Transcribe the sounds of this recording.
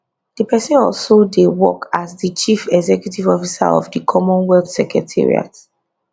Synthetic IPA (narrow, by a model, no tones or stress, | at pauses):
d̥ipʰɛsɛ̃nɔlsodewɔ̰kazdit͡ʃifɛɡzɛkjutivɔfisa̰ɔ̰vdikʰɔmɔ̃nwɛlθsɛkɹɛtʰḭɹḭa̰t